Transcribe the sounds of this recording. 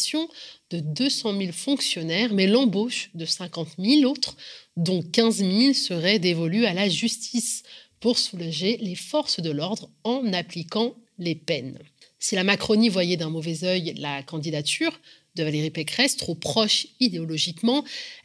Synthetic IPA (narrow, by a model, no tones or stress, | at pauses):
sjɔ̃d̪̥əd̪øsɑ̃milfɔ̃ksjɔnɛʁmɛlɑ̃boʃd̪əsɛ̃kɑ̃t̪milot̪χd̪ɔ̃kʲɛ̃zmilsəʁɛd̪evɔlyalaʒyst̪ʰispuʁsulaʒelefɔʁsd̪əlɔʁd̪ʁɑ̃naplikɑ̃lepɛnsilamakχɔnivwajɛd̪ɛ̃mɔvɛzœjlakɑ̃d̪id̪at̪yʁ | d̪əvaleʁipekχɛst̪χopχɔʃid̪eɔlɔʒikmɑ̃